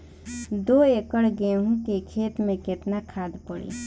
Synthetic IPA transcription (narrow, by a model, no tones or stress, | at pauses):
d̪oːekəɽɡeɦũkekʰeːʈ̪mẽkɪt̪nakʰaːd̪pəɽḭ